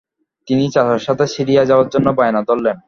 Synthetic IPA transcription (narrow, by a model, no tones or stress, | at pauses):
t̪init͡ɕat̪aɾʃat̪ʰesiɾijad͡ʑaoaɾd͡ʑonːobaenat̪olːen